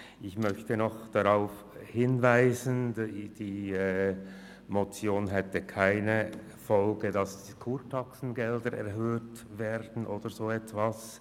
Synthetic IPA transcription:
ʔɪçmœçtənɔχd̥aʁaʊf | hɪnvaɪzənd̥iːɛ | mot͡sjoːnɦɛtəkʰaɪnə | fɔlɡədɑskʰuːɾtʰɑksn̩ɡɛldəɾɛ̰ɾɦøːtvɛːɾdn̩ʔoːd̥əɾzoːɛtvas

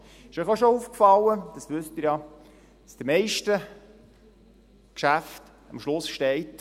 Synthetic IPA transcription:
ɪʃœɪχoʃouːfkfɑlːəd̥ɑsʋʏstɪɾjɑ | d̥ɑsd̥əmɛɪʃtə | kʃæft | ɑmʃlʊsʃtɛɪt

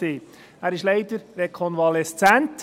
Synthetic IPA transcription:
eː | æːɾɪʃleɪd̪əɾɾɛkʰɔnvɑlɛst͡sænt

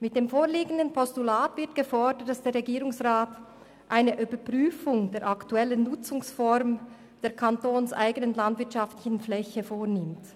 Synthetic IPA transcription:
mɪt̚d̥eːmfoːʁliːɡən̩dənpʰɔstulaːtv̥ɪɐt̚ɡ̥əfɔɐdət̚d̥asd̥eːɐɾʁeɛɡiːʁʊŋsʁaːt | ʔaɪnəʔybəpʁ̥yːfʊŋdeːɐɾʔɑktuɛlənnʊt͡sʊŋsfɔɾm | d̥eːɐkʰɑntoːnsʔa̰ɪɡənənlɑndvɪɐtʃɑftlɪçn̩flɛçəfoːnɪmt

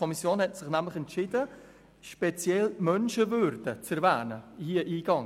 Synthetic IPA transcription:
ɔmisjoːnhɛtsɪχnæmlɪχɛntʃɪdə | ʃpɛt͡sjɛlmœnʃəvʏɾd̥ət͡sɛɾvæːnəhiəʔiːɡ̥ɑŋ

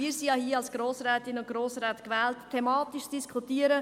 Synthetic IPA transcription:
iːɾsijɑhiːəɑlsɡ̥ɾoːsɾɛːtɪnʊntɡ̥ɾoːsɾɛːtkʋɛːlttʰːɛmɑːtiʃd̥iskʰutiːəɾə

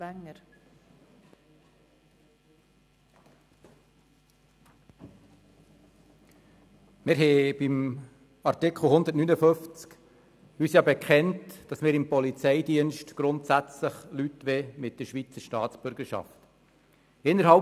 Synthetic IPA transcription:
æŋːəɾ | mɪːɾɦɛb̥ɪm | ɑɾtɪkʰl̩hʊnd̪ətnynəføft͡sk | yːsjɑːbɛkχɛntd̥ɑsmɪːɾɪmpɔlit͡sɛɪdiənʃtɡ̥ɾʊntsæt͡sləχlytʋɛmɪt̚d̥əɾʃʋit͡səɾʃtɑːtt͡sb̥ʏɾɡəʃɑ̰ft | ɪnːəɾhɑ

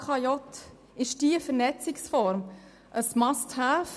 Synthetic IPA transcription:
kʰɑjɔt̪ | ɪʃd̥iəfəɾnɛt͡sɪksfɔɾm | ʔəsmɑsthæːf

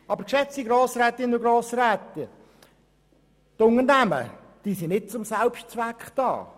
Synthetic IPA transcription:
ɑbəɾkʃɛt͡siɡɾoːsɾɛːt̪ɪnəʊɡɾoːsɾɛːt̪ə | t̪ʊŋəɾnæmə̰ | d̥iːsinɪt̚t͡sʊmsælpʃtt͡sʋækχd̥ɑ̰ː

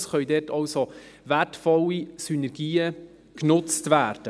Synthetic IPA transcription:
sχœʏdɛtʰɑwsovætfɔlːisynɛɾɡiːə | knʊt͡stvæːɾd̥ə

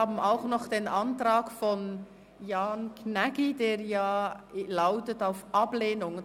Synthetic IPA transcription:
aːbm̩aʊxnɔχd̥eːnantraːkfɔn | jaːnkʰnɛɡideːɾjaːlaʊtətaʊfʔɑbleːnʊŋ

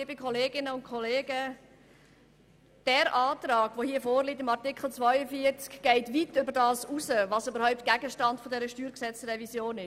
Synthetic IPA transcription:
bɪkʰχɔleːɡɪnəʊntkʰɔleːɡə | d̥ɛːɾʔɑːtɾɑːɡ̥ʋohiəfoːrlitɪmɑʁtɪkχl̩t͡svœjəfiəɾt͡skɡ̥ɛɪtʋitʏbəɾdɑːsusəvɑsøbəɾhɔʊp̚t̚ɡ̥æɡəʃtɑntfɔdɛɾəʃtyːɾksɛt͡srɛvisjoːnɪ

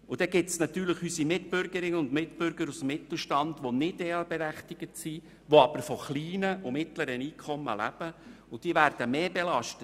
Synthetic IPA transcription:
ʊd̥ɛɡ̥ɪtsnɑt̪yːɾləχysimɪtpʏɾɡəɾɪnəʊndmɪtpʏɾɡəɾusmːɪt̪l̩ˠʃtɑndʋonɪdeːəbɛɾæχtɪɡ̥ətsi | ʋoɑb̥əɾfɔχliːnəʔʊmɪtləɾəniːkʰɔmːə̰læ̰b̥ə | ʊd̥iəvæɾd̥əmeːbelɑʃtət

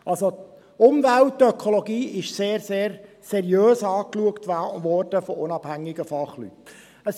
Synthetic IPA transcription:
ʔɑlso | ʊmvæltːœkʰolɔɡiːʔɪʃseːɾseːɾ | sɛɾjøːsɑːkluəktʋɔɾd̥əfɔʊnɑb̥hæŋːɪɡəfɑχly̰t | əs

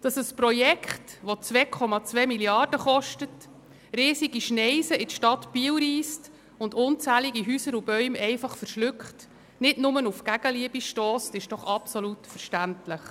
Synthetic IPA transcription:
d̥ɑsəspɾɔjɛkχtʋot͡sʋɛːkʰɔmɑt͡sʋɛːmiljɑɾd̥əχɔʃtət | ɾiːsiɡiʃnɛɪsəɪtʃtɑtpiəwɾiːst | ʊndʊnt͡sæːliɡiɦyːsəɾubœʏmɛɪfɑχfəɾʃlʏkχt | nɪdnʊmənufkæɡ̥əliəbiʃtɔːstɪʃd̥ɔχɑpsolutfəɾʃtæntləχ

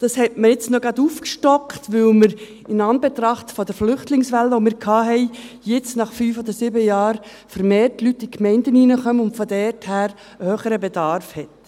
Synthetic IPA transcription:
d̥ɑshɛtməɾjɪt͡snoɡɑduːfkʃtɔkχtʋʏlməɾ | ɪnɑnbɛt̪ɾɑχtfɔdəɾflʏχtlɪŋsʋælːəʋomɪːɾkʰɑːɦɛɪ | jɪt͡snɑχfyːfɔd̪əɾsɪbəjɑːɾ | fəɾmeːrtlytːikmɛɪndəniːnəχœməʊntfɔdɛrthæːɾ | əhøːχəɾəbedɑɾfhɛt

